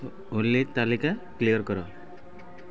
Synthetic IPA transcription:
ulːet̪alikaklijəɾkɔɾɔ

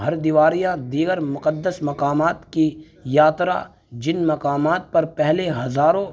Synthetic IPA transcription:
ɦɐɾd̪iʋaːɾijãd̪iːɡəɾmʊqəd̪ːəsmɐqaːmaːt̪ki | jaːt̪ɾa̰ | d͡ʒɪnmɐqaːmaːt̪̚pɐɾpɛɦleɦɐzaːɾõ

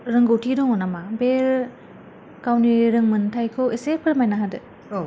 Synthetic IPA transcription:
ɾɯŋɡɯwtʰidɔŋɔnamabeɾ | kawniɾɯŋmɯntʰajkʰowesepʰɯɾmajnaɦadɯ

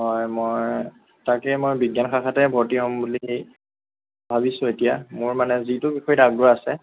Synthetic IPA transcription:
ɦɔjmoj | takɛmojbiɡjanxʰakʰatɛbʱɔtiɦɔmbuliɦej | bʱabisʊ̃etijamʊɹmanɛzitʊbixɔjidaɡ̚dʊɹaasɛ

